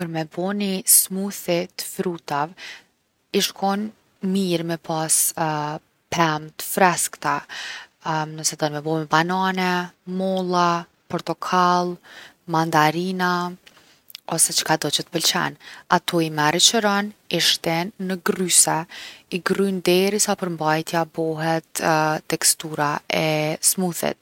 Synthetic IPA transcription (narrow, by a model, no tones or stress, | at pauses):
pəɾmɛbɔnismuθit̪ə̥fɾut̪av | iʃkʰɔn | miɾmɛpʰas | pɾɛmt̪ə̥fɾɛskt̪a | nəsɛd̪ɔnmɛbɔmɛbananɛmɔlˠa | pɔɾt̪ɔkʰalˠ | mand̪aɾina | ɔsɛt͡ʃə̥kad̪ɔt͡ʃət̪ə̥pəlt͡ʃɛ̰nat̪ʰɔimɛɾit͡ʃəɾɔniʃt̪ɛnːəɡrysɛiɡrynd̪ɛɾisapəɾmbajt̪jabɔɦɛt̪ːɛkst̪uɾaɛsmuθɛ̰t̪̚